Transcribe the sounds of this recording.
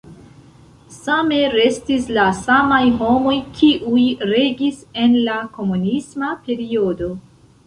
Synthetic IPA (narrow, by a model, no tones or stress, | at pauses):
same̞ɾe̞stislasamajɦo̞mo̞jkʰiʔujɾe̞ɡise̞nlako̞munismape̞ɾio̞do̞